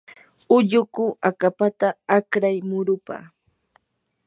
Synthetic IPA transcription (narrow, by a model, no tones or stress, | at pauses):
ʊʎʊkʊakapat̪aakɾajmʊɾʊpa̰